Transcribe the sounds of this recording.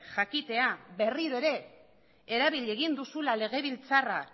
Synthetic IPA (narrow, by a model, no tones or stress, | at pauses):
ʝakit̪e̞abe̞riɾoe̞ɾe̞ | eɾaβiʎe̞ɣ̞ind̪usulale̞ɣe̞β̞ilt͡sara